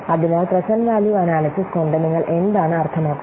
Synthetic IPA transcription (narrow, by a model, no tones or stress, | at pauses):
ɐðinaːlprɐɕɐnʋaːljuɐnaːlɐsiskoɳɖɐniŋːɐɭʔe̞nd̪aːɳɨɐrt̪ʰɐmaːkːu